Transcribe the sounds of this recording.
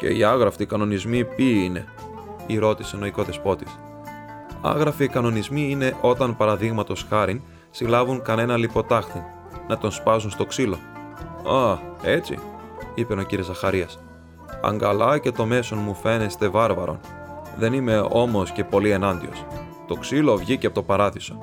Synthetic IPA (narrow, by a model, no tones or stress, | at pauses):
ce̞̰iɐɣɾɐfikɐno̞nizmipiine̞ | iɾo̞t̪ise̞no̞iko̞ðe̞spo̞t̪i̥s | ɐ̰ɣɾɐfiːkɐno̞nizmiine̞ʔo̞t̪ɐnpɐɾɐðiɣmɐt̪o̞sxɐɾin | silɐvuŋkɐne̞nɐlipo̞t̪ɐxt̪in | nɐt̪o̞nspɐzunst̪o̞ksilo̞ | ɐe̞t͡sḭipe̞no̞ciɾiozɐxɐɾiɐs | ɐ̰ŋɡɐlɐce̞t̪o̞me̞so̞nmufe̞ne̞st̪e̞vɐɾvɐɾo̞̰n | ðe̞nime̞o̞mo̞sce̞po̞lie̞nɐnd̪ḭo̞̰s | t̪o̞ksilo̞vʝicepot̪opɐɾɐðiso̞̥